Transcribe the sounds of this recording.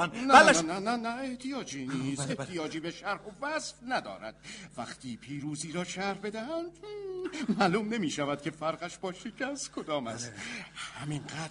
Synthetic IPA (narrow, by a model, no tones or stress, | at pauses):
nnæænænænæeht̪ʰijɒːd͡ʒiːniːst̪eh̪ʰijɒːd͡ʒiːbeʃæɾhovæsfnæd̪ɒ̰ːɾæ̰d̪̥væχt̪ʰiːpʰiːɾuːziːɾɒːʃʰæɾhbe̞d̪æhænd̪ | mæːluːmne̞miːʃævæd̪̥̚cʰe̞fæɾɢæʃbɒːʃecʰæst̪kʰod̪ɒːmæ̰st̪hæminɢæːd̪